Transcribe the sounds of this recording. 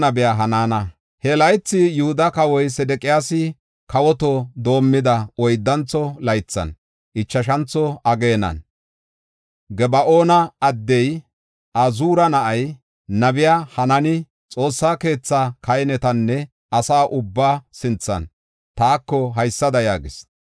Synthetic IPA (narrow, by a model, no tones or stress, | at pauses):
nɐbɪjaːɦɐnaːnɐ | hɛlɐjt͡sːɪjʊhʊd̪ɐkɐwɔjsɛd̪ɛkʼɪjaːsɪ | kɐwɔt̪ɔd̪o̞ːmːɪd̪ɐɔjd̪ːɐnt͡sːɔlɐjt͡sːɐ̰n | ʔɪt͡ʃːɐʃ̬ɐnt͡sːɔɐɡe̞ːnɐ̰n | ɡɛbɐʔo̞ːnɐɐd̪ːɛj | ʔɐzuːɾɐnɐʔɐj | nɐbɪjaːhɐnɐnɪ | t͡sʼo̞ːsːaːke̞ːt͡sːakɐjnɛt̪ɐnːɛ | ɐsaːʔʊbːaːsɪnt͡sːɐ̰n | t̪aːkːɔɦɐjsːɐd̪ɐjaːɡɪs